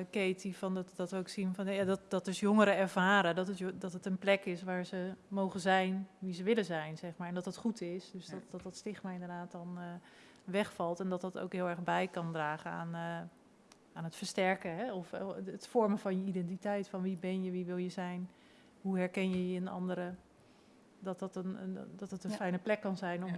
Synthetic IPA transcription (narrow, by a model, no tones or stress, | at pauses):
kejtifɔndtdɔtəoksinfɔnjadɔtdɔt̚dɵsjoŋəɾəɛɹv̥aːɾədɔtətdɔtɦətənplɛkɪsʋaːɹzəmowχəzɛjnʋizəʋɪlənzɛjnzɛχmaːɹɛndɔtətχutɪsdøsdɔtdɔt̚dɑtstɪχmaːɹɪndərdaːtɔn | ʋɛχfɑlˠtɛndɑt̚dɑto̰wkɦɪːlˠɛɹχbɛjkɑndraːχəna̰ːn | aːnɦətfəɹstɛɹkəɦɛɔfətfɔɹməfɑnjəidɛnt̬itɛjtfɑnʋibɛnjəʋiʋɪlˠjəzɛjn | ɦuɦɛɹkɛnjəjəənɑ̰ndəɾə | dɑtɑtəndɑtətənfɛjnəplɛkːɑnzɛjnɔm